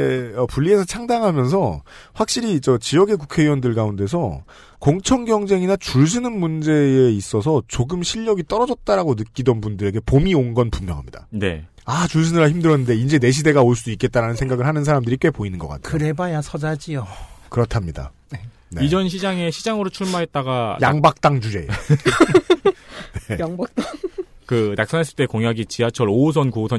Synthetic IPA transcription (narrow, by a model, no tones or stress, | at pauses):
eʌpuɭːie̞sʰʌt͡ɕʰaŋdaŋɦamjʌns̬ʰʌɸwak̚ɕ͈iɾit͡ɕʌt͡ɕijʌɡe̞k̬ukʰe̞iwʌndɯɭɡaunde̞sʰʌ | koŋt͡ɕʰʌŋɡjʌŋd͡ʑe̞ŋinat͡ɕuɭsʰɯnɯnmund͡ʑe̞ːis͈ʌs̬ʰʌt͡ɕoɡɯmɕʰiʎːʌɡit͈ʌɾʌd͡ʑʌt̚t͈aɾaɡonɯk͈idʌnpundɯɾe̞ɡe̞pomioŋɡʌnpumːjʌ̰ŋɦa̰mɲḭd̥a̰ne̞̰ | at͡ɕus̬ʰɯnɯɾaçimdɯɾʌnːɯnde̞ind͡ʑe̞ne̞ɕʰide̞ɡaoɭs͈uduik͈e̞t̚t͈aɾanɯnsʰe̞ŋɡaɡɯɭhanɯns̬ʰaɾamdɯɾikwe̞poinɯnɡʌk͈a̰t̚ʰkɯɾe̞bajasʰʌd͡ʑad͡ʑijokɯɾʌtʰamɲida̰ | nid͡ʑʌnɕʰid͡ʑaŋe̞ɕʰid͡ʑaŋɯɾot͡ɕʰuɭmaɦe̞t̚t͈aɡajaŋbak̚t͈aŋt͡ɕud͡ʑe̞ | neŋbak̚tkɯnaks͈anas͈ɯɭt͈e̞koŋjaɡit͡ɕiat͡ɕʰʌɾos̬ʰʌnkosʰʌ